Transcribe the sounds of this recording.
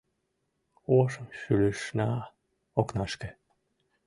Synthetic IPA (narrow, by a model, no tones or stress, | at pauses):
oʃəmʃyləʃnɑ | oknɑʃkĕ